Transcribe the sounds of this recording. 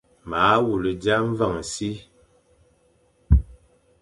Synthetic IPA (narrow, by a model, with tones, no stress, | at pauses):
ma˨˦wu˨lə˨d͡ʒa˦ɱ̩˦va˦˨ŋ˨si˦